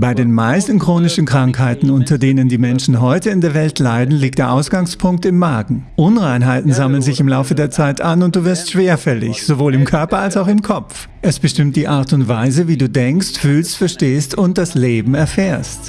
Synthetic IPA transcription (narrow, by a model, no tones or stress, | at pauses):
b̥aɪdeːnmaɪstn̩kʁ̥oːnɪʃn̩kʁ̥aŋkhaɪtn̩ʊntʰɐdeːnəndiːmɛnʃn̩ɦɔʏtəɪndeːɐvɛltʰlaɪdn̩liːk̚td̥eːɐʔaʊsɡ̥aŋspʰʊŋk̚tɪmːaːɡŋ̩ʔʊnʁaɪnɦaɪtn̩zamlənzɪçɪmlaʊfədeːɐt͡saɪtʔanʊnt̚d̥uːvɪɐstʃv̥eːɐfɛlɪ̰çz̥ovoːlɪmkʰœɐpɐalsaʊxɪmkʰɔp͡f | ʔɛsb̥əʃtɪmt̚d̥iːʔaɐtʊntv̥aɪzəviːduːdɛŋkstfyːlstfɛɐʃteːstʊnt̚d̥asleːbm̩ɛɐfeːɐst